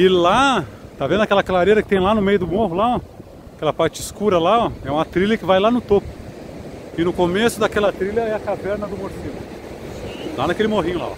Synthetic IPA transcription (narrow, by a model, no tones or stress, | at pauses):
ɪlat̪avẽnd̪ʊɐkɛlɐkalaɾeɾɐkɪ̥t̪ẽj̃lanʊmejʊd̪ʊmoɦʊlaɔ | akɛlɐpaɾt͡ʃɪskuɾɐlaɔɛũmɐt̪ɾilɐkɪvajlanʊt̪opʊ̥ | ɪnʊkomesʊd̪akɛlɐt̪ɾilʲɐɛɐkavɛɾnɐd̪ʊmoɾsilʊ | lanɐkelɪmoɦĩɲʊla̰ɔ̰